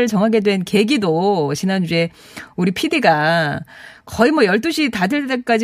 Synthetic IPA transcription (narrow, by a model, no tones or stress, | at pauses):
ɾɯɭt͡ɕʌŋɦaɡe̞dwe̞nke̞ɡidot͡ɕinand͡ʑue̞ | uɾipʰidiɡa | kʌimwʌjʌɭt͈oɕʰitadeɭt͈e̞k͈ad͡ʑi